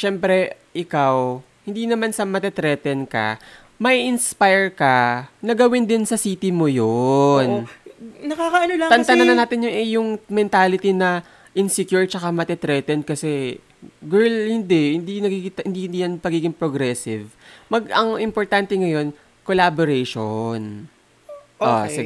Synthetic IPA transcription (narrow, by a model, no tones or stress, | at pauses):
ʃɛmpɾɛʔɪkaw | hɪnd̪inɐmansɐmɐt̪ɛt̪ɾɛt̪ɛnkɐ̰ | mɐʔiʔɪnspajɛɹkɐnɐɡɐwɪnd̪ɪnsɐsiːt̪ɪmojonnɐkaːkɐʔɐnolɐt̪ɐnt̪ɐnɐnɐnaːt̪ɪnjʊnʔɛjʊŋmɛnt̪aːlɪt̪inɐ | ʔɪnsɪkjuɹt͡ʃɐkamɐt̪ɛt̪ɾɛt̪ɛn̚kɐsɛ | ɡɛɹlhɪnd̪ɛhɪnd̪inɐɡiɡit̪hɪnd̪ihɪnd̪ijɐnpɐɡiːɡɪŋpɾoɡɾɛsɪvmɐɡɐŋʔɪmpoɹt̪ant̪ɛŋɐjo̞n | kolaboɾeʃon | ʔʔo̰sɪ